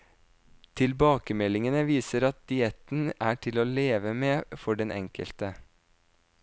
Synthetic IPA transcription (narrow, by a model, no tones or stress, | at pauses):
t̪ʰɪlbɑːkəmɛlɪŋənəʋiːsəɾɑt̪̚d̪̥ɪɛt̪n̩æːʈʰɪloːleːʋəmeːfɔɖɛnʔɛ̰ŋkʰə̰lt̪ə